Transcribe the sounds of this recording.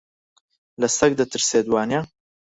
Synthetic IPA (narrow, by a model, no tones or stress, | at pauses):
lɐsɐk̚d̪ɐt̪ʰɨɾseːd̪waːnja